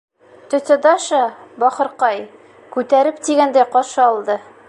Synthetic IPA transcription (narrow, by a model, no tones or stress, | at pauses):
t̪ɵ̆t̪ɘd̪ɑʃɑbɒqɤ̆ɾqɑj | kʉt̪æɾɘpt̪iɡænd̪æjqɒʃɤɒlˠd̪ɤ